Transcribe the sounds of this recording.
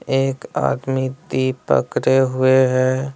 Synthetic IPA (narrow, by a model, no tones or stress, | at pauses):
eːka̰ːd̪mit̪ipə̰kɾeɦʊeɦɛː